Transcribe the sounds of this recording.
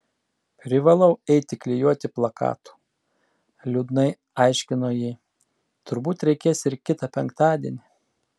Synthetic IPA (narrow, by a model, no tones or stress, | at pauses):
pʲɾʲɪʋɐlˠɒʊɛɪt̪ʲɪklʲɪjuɔt̪ʲɪplˠɐkɑ̰ːt̪u̥ː | lʲʊd̪nɐɪ | ɑɪʃʲkʲɪnoːjiː | t̪ʊɾbuːt̪ɾʲɛɪkʲeːsɪɾkʲɪt̪ɑpʲɛŋkt̪ɑːd̪ʲiɛnʲɪ